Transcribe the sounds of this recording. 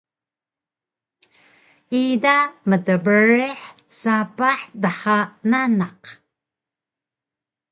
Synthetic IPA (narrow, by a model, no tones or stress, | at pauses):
idamədəbəɾeħ | sapaħdaħananaq